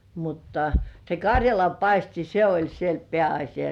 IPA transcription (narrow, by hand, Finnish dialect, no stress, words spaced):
mutːɑ se kɑrʲjɑlɑmpɑisti se olʲ siel peæɑsʲijɑ